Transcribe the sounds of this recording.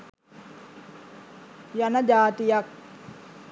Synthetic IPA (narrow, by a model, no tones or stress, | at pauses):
janad͡ʒat̪ijak̚